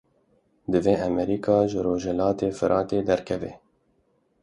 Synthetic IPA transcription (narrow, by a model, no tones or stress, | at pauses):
d̪ɨveːʔɛmɛɾiːkʰɑːʒɨɾoːʒɛlɑːt̪eːfɨɾʔɑːt̪eːd̪ɛɾkʰɛvḛː